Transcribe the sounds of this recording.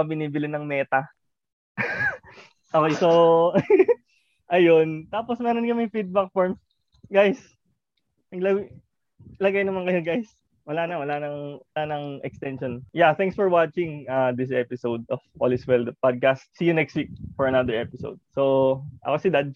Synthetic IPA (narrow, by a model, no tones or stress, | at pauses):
ɐbɪniːbɪlɪnɐŋmɛːt̪ɐ | ʔokejso | ʔɐjont̪aːposmɛːɾonkɐmɛfid̪̚bɐk̚foɹms | ɡajs | ɐɡlɐ | lɐɡajnɐmankɐjoɡajs | wɐlanɐwɐlanɐŋwɐlanɐŋʔɛkst̪ɛnʃonjat̪ɛŋksfɔɹwat͡ʃɪŋɐd̪ɪs̬ʔɛpɪsowd̪ɔfʔo̰lɪswɛld̪pad̪̚kast̪̚sijʊnɛkst̪wik̚fɔɹɐnad̪ɛɹɛpɪso̰wd̪̚soʔɐ̰kosɪd̪ad̪̚